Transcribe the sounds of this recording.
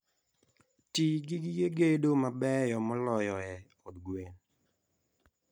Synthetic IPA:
tiɡɪɡɪɡeɡedomabɛjɔmɔlɔjɔɛ | ɔd̪ɡwen

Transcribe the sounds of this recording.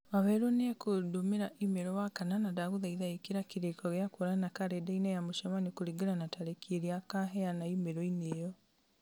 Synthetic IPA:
βaβɛɾoneɛkʰodomeɾaʔimeɾɔwakananadaɣoðaiðaekeɾakiɾekɔɣeakoɾanakaɾedainajamoʃamanekoɾiɡeɾanataɾekeɾiakaɦɛanaimeɾɔinejɔ

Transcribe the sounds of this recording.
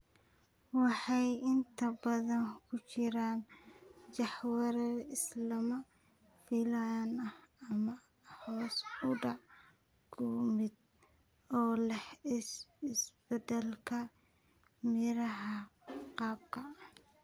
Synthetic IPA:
wɑħɑjʔɪnt̪ʰɐbɐðɐŋkʰʊt͡ʃɪɾaːnt͡ʃɑħwɑɾɛɪslɐmɐ | filɐnɐhɐmɐ | hɔːsʊɖɑʕ | kʰʊmɪd̪ | ɔːlɛh | ɪsbɛd̪ɛlkʰɐ | mɪɾɐɦɐqɑːb̚kʰɐ

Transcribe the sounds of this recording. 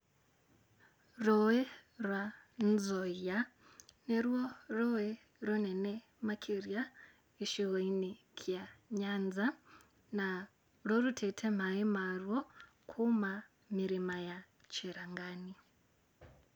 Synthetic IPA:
rɔwɛrwa | nd͡zɔja | nɛɾiɔrɔwɛ | ɾɔnɛnɛ | makʰiɾja | iʃiɣɔinikʰijaɲand͡za | na | ɾɔɾutʰɛtʰɛm̤aimarwɔ | kʰuma | miɾimaja | t͡ʃʰiɾaŋɡaːni

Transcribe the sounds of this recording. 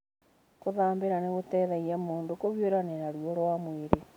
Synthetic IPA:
koðaːmbeɾaneɣotɛðaijamoːndokoβjoɾanenaɾuoɾwamweɾe

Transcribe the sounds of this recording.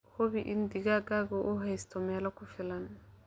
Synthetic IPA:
hobiʔindiɡaɡaɡɔʔɔɦajstɔmɛlakufilan

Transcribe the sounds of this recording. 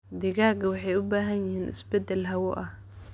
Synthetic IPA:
d̪ɪɣaːɡɐwɑħɑjʊbaːɦɐnjɪhiːnʔɪ̰sbɛd̪ɛlɦɐwɔʔɐ

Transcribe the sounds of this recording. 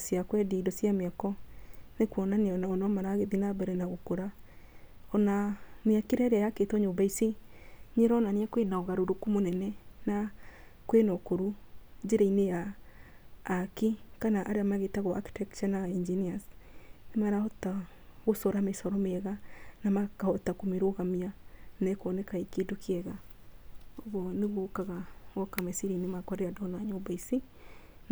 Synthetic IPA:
sjakwɛdidɔsjameakɔnekwɔnaneɔnaɔnɔmaɾaɣeðinabɛɾɛnaɣokoɾa | ɔnamjakeɾɛɾeajaketɔɲombaisiɲeɾɔnaniakwenaɔɣaɾoɾokumonɛnɛna | kwenɔkoɾud͡ʒeɾainejaː | kikanaʔaɾeamaɣetaɣɔʔa̰ki̥tɛkt͡ʃanaind͡ʒiniasnemaɾahɔtaɣosɔɾamesɔɾɔmeɛɣanamakahɔtakomeɾoɣamianɛkɔnɛkaikedokʰiɛɣa | oβwɔneɣokaɣaɣɔkamɛsiɾinemakwaɾeadɔnaɲobaisi | n

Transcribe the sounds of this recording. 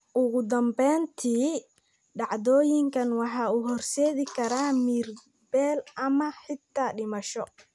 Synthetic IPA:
ʔʊɣʊd̪ɐmbɛːnt̪ʰiː | ɖɑʕd̪ɔːjɪŋkʰɐnwɑħɑːuːɦɔrsɛːðɪkʰɐɾaːmiːr | bɛːlʔɐmɐħɪt̪ʰːaːɖɪmɐʃɔ

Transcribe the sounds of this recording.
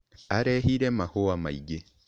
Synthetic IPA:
aɾeɦiɾemahoamaiɡe

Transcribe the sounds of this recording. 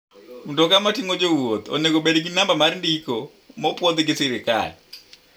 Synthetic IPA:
mundɔkamatiŋod͡ʒowot̪ɔ̰nekoɓeɾeɡinambamaɾndiko | mɔpwɔd̪ɡesɪɾɪka̰l

